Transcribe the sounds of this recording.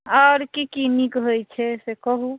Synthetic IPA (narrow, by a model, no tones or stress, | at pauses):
aɾkikinikɦojt͡ʃʰɛsekɔɦu